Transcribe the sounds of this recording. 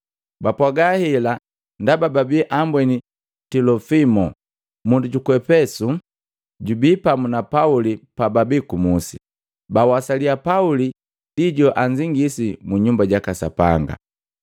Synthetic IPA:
bapwaɡahila | ndabababiʔambwɛni | tilɔfimɔ | munduɟukwɛpɛsu | ɟubipamunapaulipababikumusi | bawasaliapauli | d̥iɟɔʔaɲd͡ʒiŋɡisimuɲumbaɟakasa̰pa̰ŋɡa̰

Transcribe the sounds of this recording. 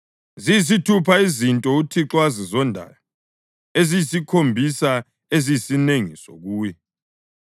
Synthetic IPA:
zijis̬itʰupʰaizintʼɔutʰiǁwazizɔndʱa̰jɔ | ezijisikʰombʱisa | ezijisineŋiso̰ɣuːjɛ

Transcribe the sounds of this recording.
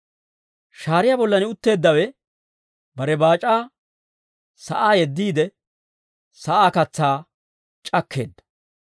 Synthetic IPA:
ʃaːɾɪjabɔlːɐnɪʊt̪ːe̞ːd̪ːɐwɛ | bɐɾɛbaːt͡ʃʼaː | sɐʔaːjɛd̪ːiːd̪ɛ | sɐʔaːkɐt͡sːaː | t͡ʃʼɐkʰːe̞̰ːd̪ːɐ̥

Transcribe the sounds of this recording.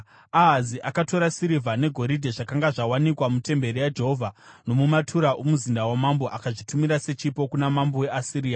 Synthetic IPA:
aɦaziʔakato̞ɾasiɾivʱane̞ɡʱo̞ɾidʱeʐakaŋɡaʐawanikwamute̞mbe̞ɾijad͡ʒe̞ɦovʱano̞mumatʰuɾaʔomuzindawamamboʔakaʐitumiɾase̞t͡ʃipo̞kunamambowe̞asiɾiːja

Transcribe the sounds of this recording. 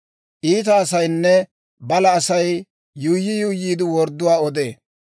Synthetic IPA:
ʔiːt̪̬ɐːsɐjnːɛ | bɐlɐːsɐjː | uːjːɪjujːiːd̪ɪwɔɾd̪ːʊwaːɔd̪ḛː

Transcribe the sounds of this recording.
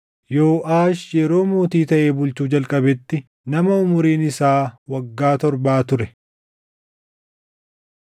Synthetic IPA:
jo̞ːʔaːʃjɛɾo̞ːmoːt̪iːt̪ɐʔeːbʊlt͡ʃuːd͡ʒɐlkʼɐbɛt̪ːɪ | nɐmɐʊmʊɾiːnɪsaːwɐɡːaːt̪ɔɾbaːt̪ʊɾɛ

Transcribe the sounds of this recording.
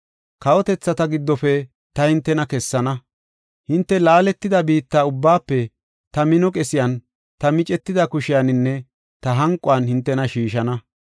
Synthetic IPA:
kɐwɔt̪ɛt͡sːɐt̪ɐɡɪd̪ːɔfɛ | t̪ɐhɪnt̪ːɛnɐkɛsːɐnɐ | hɪnt̪ːɛlaːlɛt̪ːɪd̪ɐbiːt̪ːaːʊbːaːpːɛ | t̪ɐmɪnɔkʼɛsɪjɐn | t̪ɐmɪt͡ʃʼɛt̪ːɪd̪ɐkʊʃɪjanɪnːɛ | t̪ɐɦɐŋkʼːʊɐnhɪnt̪ːɛnɐʃiːʃɐnɐ

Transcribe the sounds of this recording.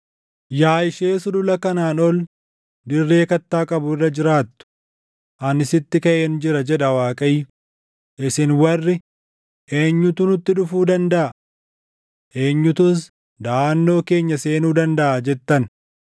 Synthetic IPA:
jaːjɪʃeːsʊd̪ʊlɐkɐnaːnɔl | d̪ɪrːe̞ːkɐt̪ːaːkʼɐbʊɪrːɐd͡ʒɪɾaːt̪ːʊ̥ | ʔɐnɪsɪt̪ːɪkɐʔend͡ʒɪɾɐd͡ʒɛᶑɐwaːkʼɐjː | ʔɪsɪnwɐrːɪ | ʔe̞ːɲːʊt̪unʊt̪ːɪᶑʊfuːd̪ɐnd̪ɐʔɐ | ʔe̞ːɲːʊt̪ʊs | d̪aːnːo̞ːke̞ːɲːɐse̞ːnuːd̪ɐnd̪ɐʔaːd͡ʒɛt̪ːɐn

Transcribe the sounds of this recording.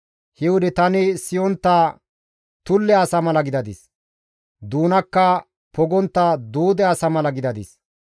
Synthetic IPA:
hɛwʊd̪ɛt̪ɐnɪsɪjɔnt̪ːa | t̪ʊlːɛɐsɐmɐlɐɡɪd̪ɐd̪ɪs | d̪uːnɐkːɐ | pɔɡɔnt̪ːɐd̪uːd̪ɛɐsɐmɐlɐɡɪd̪ɐd̪ɪs

